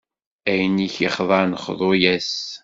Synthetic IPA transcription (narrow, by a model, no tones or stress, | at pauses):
æjəniçiχðˤɑɾnəχðˤojæs